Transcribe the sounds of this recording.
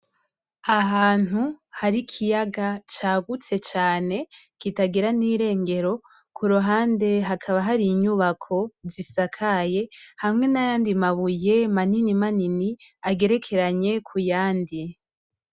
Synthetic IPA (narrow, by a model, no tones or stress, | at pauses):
aɦaːn̥huhaɾikʰijaɡat͡ʃaːɡut͡se̞t͡ʃaːne̞kitaɡiɾaniːɾe̞ːŋɡe̞ɾo̞ | kʰuɾuɦaːnde̞ɦakʰaβaɦaɾiɲuβakʰo̞zisakʰaje̞hamŋe̞najaːndimaβuje̞maninimaniniaɡe̞ɾe̞kʰe̞ɾaɲe̞kʰujaːndi